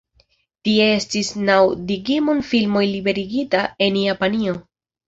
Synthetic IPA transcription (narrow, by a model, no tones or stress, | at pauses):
tiee̞stisnawdiɡimonfilmo̞jlibe̞ɾiɡitae̞njapanio̞